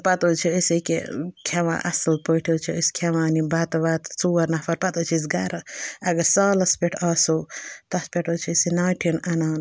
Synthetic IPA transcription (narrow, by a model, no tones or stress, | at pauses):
pɐt̪oːt͡ʃʰiəsikḛkʰɐʋã̰ːʔɐ̰sɨlpəʈʰiːt͡ʃʰiəskʰɐʋaːnibɐt̪baːt̪t͡suːɐɾnɐfʰɐɾpɐt̪ɐt͡ʃʰis̬ɡɐɾɐɐɡɐɾsaːlɐspeʈʰɐːsoːt̪ɐspeʈot͡ʃʰisinaːʈʰinɐnaːn